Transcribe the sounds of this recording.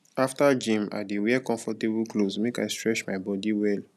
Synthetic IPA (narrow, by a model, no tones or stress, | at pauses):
aftad͡ʒĩma̰dewɛkɔ̃ɱfɔtebuklosmekajstɹɛt͡ʃmaɪbɔdiwɛl